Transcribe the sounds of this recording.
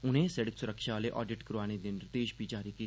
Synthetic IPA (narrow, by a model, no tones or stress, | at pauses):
un̤ẽseɽəksuɾəkʂaaleʔɔ̰ːɖɪʈkɾuʋaɽ̃ed̪enɾt̪eːʃbʱiːd͡ʒaːɾiki